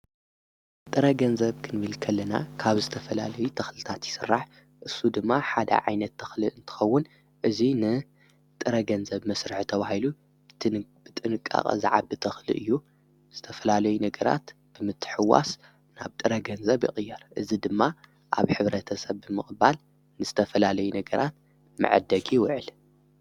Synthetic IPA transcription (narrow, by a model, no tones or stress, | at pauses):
t̪ʼɨɾɐɡɐnzɐβkʰɨnβɨlkʰɐlːɐna̰kʰaβzɨt̪ʰɐfɐla̰lɐjut̪ʰɐxlɨt̪ʰat̪jɪsɨrːaħ | ʔɨsːud̪ɨmːaħad̪ɐ̰ʕa̰jnɐt̪ʰːɐxlɨʔɨnt̪ʰɨ̥xɐwːʊn | ʔɨzinɨ | t̪ʼɨɾɐɡɐnzɐβmɐsɾɨħt̪ʰɐβahilu | b̥ɨt̪ʼɨnɨkʼːa̰χʼɐ̰za̰ʕa̰bɨt̪ʰɐxlɨ̰ʔɨjːu | z̥ɨt̪ʰɐfɐlalɐjunɐɡɐɾa̰t̪ | b̥ɨmɨt̪ʰːɨ̥ħɨwːa̰s | na̰βt̪ʼɨɾɐɡɐnzɐβjḭχʼɨjːɐɾʔɨzid̪ɨmːa | ʔa̰βħɨβɾɐt̪ʰɐsɐβːɨmɨxʼba̰l | nɨzɨt̪ʰɐfɐlalɐjunɐɡɐɾʔat̪̚ | mɨ̰ʕ̰d̪ːɐɡiwɔʕɨl